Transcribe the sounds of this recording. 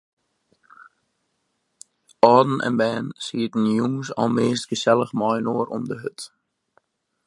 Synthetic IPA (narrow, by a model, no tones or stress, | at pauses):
ɔːdn̩ʔɛ̰nbɛːnsiətən̩juŋsɔ̰lˠmeːstɡəsɛlˠəχmɔjnoəɾʔɔmdəɦøt